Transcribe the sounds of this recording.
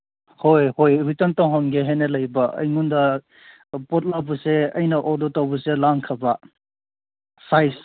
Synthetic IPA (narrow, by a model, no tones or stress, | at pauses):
hojhojɾutɔntɔŋɦɔnɡeɦenelɐjbɐʔɐ̰jŋundɐ | pɔt̚labuseɐjnɐʔodotawbuselaŋkʰɐbɐ | sajs